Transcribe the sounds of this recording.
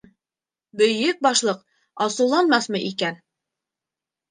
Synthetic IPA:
bɵ̆jɵk̚bɑʃlˠɤq | ɑsɤ̆wlˠɑnmɑsmɤʔikæn

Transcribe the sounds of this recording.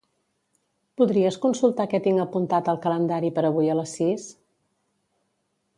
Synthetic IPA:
puðɾiəskunsulˠt̪akɛt̪iŋɡəpunt̪at̪əlˠkələnd̪aɾipəɾəβ̞ujələsːis

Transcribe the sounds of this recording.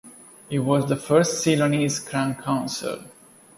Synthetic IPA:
ɪʈʋɔːzd̪əfəɾsʈsiloniːzkʰɾãnkʰãʊ̃nsɪ̰l

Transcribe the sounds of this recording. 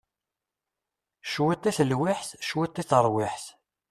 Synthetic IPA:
ʃwit̪ˤːiθlwɪħθʃwit̪ˤːiθəɾˤwɪħθ

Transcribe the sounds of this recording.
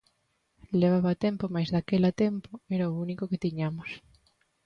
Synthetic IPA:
leβaβat̪ɛmpomajzðakelat̪ɛmpoeɾaounikoket̪iɲamos

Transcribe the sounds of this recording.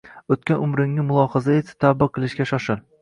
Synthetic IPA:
ɵt̪̚kʲanʊmɾɪŋnɪmʊlˠɒhɑzaesɪ̥t̪ʰabɨqʰːɨlˠɪʃkʲaʃɒʃɪlˠ

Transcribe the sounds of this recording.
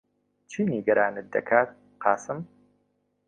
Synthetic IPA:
t͡ʃʰiːniːɡɐɾaːnɨd̪ːɐ̰kʰaːt̪̚ | qɑːsɨm

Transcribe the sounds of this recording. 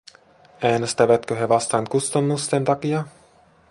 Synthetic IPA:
æːnest̪æʋæt̪køɦe̞ʋɑst̪ɑŋkust̪ɑnːusːent̪ɑkiɑ

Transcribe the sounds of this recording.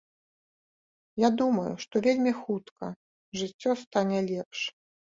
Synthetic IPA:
jad̪umɐjṵʂt̪ɔvʲelʲmʲixut̪kɐ̰ | ʐɨt͡sʲːɔst̪anʲɛlʲɛpʂ

